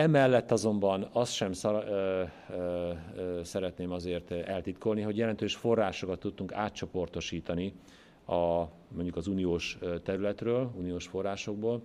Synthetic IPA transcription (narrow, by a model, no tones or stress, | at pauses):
ɛmɛlːɛt̪ːɒzo̞mbɒnɒst̪ʃɛms | sɛɾɛt̪neːmɒzeːrt̪ɛlt̪it̪ko̞lniɦo̞ɟjɛlɛnt̪øːʃfo̞rːaːʃo̞kɒt̪ːut̪̚t̪uŋkaːt̪t͡ʃo̞po̞rt̪o̞ʃiːt̪ɒni | ɒ | mo̞ɲɟukɒzuːnijoːʃt̪ɛɾylɛt̪røːluːnijoːʃfo̞rːaːʃo̞ɡ̚boːl